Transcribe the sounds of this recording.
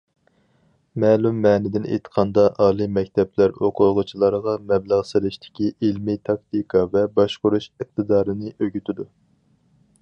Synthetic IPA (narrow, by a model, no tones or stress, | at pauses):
mɛːlumːɛːnɪd̪ɪnḛjt̪ʰə̥qʰɑnd̪ɑʔɑːlˠɨmɛkʲt̪ʰɛplæɾoqʰʊlˠʁʊt͡ʃʰilˠɑɾəʁɑmɛblæʁselɪʃt̪ʰɪ̥kʲiʔilmit̪ʰɑkt̪ɨkʰɑvɛbɑʃqʊɾuʃəq̚t̪ʰɨd̪ɑːɾɨnɨʔøɡʲyt̪ʰɪd̪u